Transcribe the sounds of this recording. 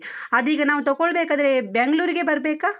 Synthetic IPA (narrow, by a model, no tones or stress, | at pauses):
ɐd̪iːɡɐnaːʋut̪ɐɡɔɭbeːkaːd̪ɾebeŋɡɭuːɾiɡe̞bɐɾbeːkaː